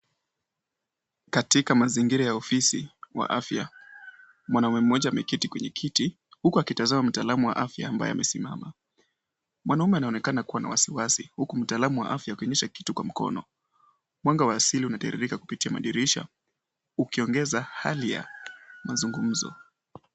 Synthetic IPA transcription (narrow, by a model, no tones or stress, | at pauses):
katikamaziŋɡiɾajaɔfisiwa̰ʔafja̰ | mwanaumɛm̩ːɔʄaːmɛkitikwɛɲɛkʰiti | hukuakitazamam̩taːlamuwa̰ʔafja̰ːmba̰jɔ̰a̰mʔɛsimama | mwʔanaumɛanaɔnɛkanakuwana̰wasiwasihukum̩taːlamuwa̰ʔafjaukɛɔɲɛʃaki̥tukwam̩kɔ̰nɔ | mwaŋɡawaːsiliunataɛɾḭɾikaku̥pitiama̰ɗiɾiʃa̰ | ukiɔŋɡɛzahalija̰mazuŋɡum̩zɔ̰